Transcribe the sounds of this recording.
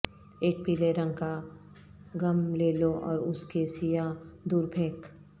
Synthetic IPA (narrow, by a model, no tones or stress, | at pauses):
eːk̚piːleɾə̃ŋɡka | ɡɐmleːloʔɔ̰ːɾʊskesijad̪uːɾbʰʱeːk